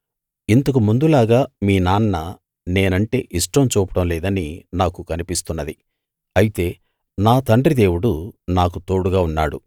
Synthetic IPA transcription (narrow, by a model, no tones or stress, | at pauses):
int̪ɐkumund̪ulaːɡaːmiːnaːnːɐ | ne̞ːnɐɳʈe̞̰ːʔiʂʈɐmt͡ʃuːpɐʈɐmlɛːd̪ɐninaːkukɐnipist̪unːɐd̪i | ɐjit̪e̞ː | naːt̪ɐɳɖrid̪e̞ːwuɽunaːkut̪o̞ːɽuɡaːunːaːɽṵ